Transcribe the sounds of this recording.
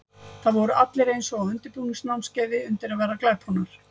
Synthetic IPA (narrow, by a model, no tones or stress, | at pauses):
θaðvɔɾʏʔat̪lɪɾejnsɔɣaðʏnt̪ɪpuːnɪŋsnawmscaːjðɪʏnt̪ɪɾaðvɛːɾaklɛt̪hɔnaɾ̥